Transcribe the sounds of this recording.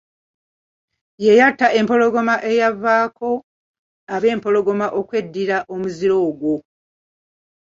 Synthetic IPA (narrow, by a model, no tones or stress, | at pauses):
je̞jatːaʔe̞mpo̞lo̞ɡo̞maʔe̞javːaːkʰo̞ | aβe̞ːmpo̞lo̞ɡo̞maʔo̞kwe̞dːiɾaʔo̞muziɾo̞ːɡwo̞